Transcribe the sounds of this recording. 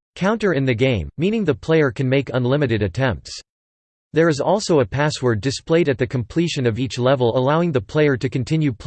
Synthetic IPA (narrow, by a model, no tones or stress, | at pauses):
kʰãʊ̃ntə˞ɨ̃nðɨɡẽɪ̃mːĩnɪ̃ŋðɨpʰl̥eɪə˞kʰɨ̃nmeɪkə̃nlɪ̃mɨɾɨɾɨtʰɛ̃mp̚ts | ðə˞ɨzɔlˠsoʊəpʰæswə˞dɨspleɪɾɨt̪̚ðɨkʰə̃m̩pʰl̥iʃɨ̃nʌvit͡ʃlɛvl̩ˠəlaʊɪ̃ŋðəpʰl̥eɪə˞ɾɨkɨ̃n̩tʰɪ̃njʉpʰ